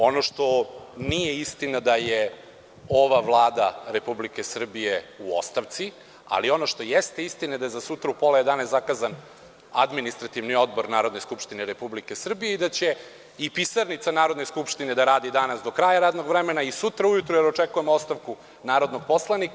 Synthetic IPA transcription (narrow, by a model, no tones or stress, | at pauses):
o̞noʃt̪o̞nijeist̪inad̪aje | o̞ʋaʋlˠaːd̪aɾe̞publikesr̩bijeuo̰st̪aʋt̪si | a̰lio̞no̞ʃt̪o̞jest̪e̞ist̪ined̪ajezasut̪ɾaupolad̪aneszakaːzan | ad̪minist̪ɾat̪iʋnio̞d̪̚bo̞ɾnaːɾod̪neskupʃt̪ineɾe̞publike̞sr̩bijeid̪at͡ɕe̞ | ipisaɾnit̪sanaːɾod̪neskupʃt̪ined̪aɾaːd̪id̪anasd̪o̞kɾaːjaɾaːd̪no̞ɡʋɾemenaisut̪ɾaujut̪ɾujeɾot͡ʂekujemoost̪aʋku | naːɾo̞d̪noɡ̚po̞slˠanik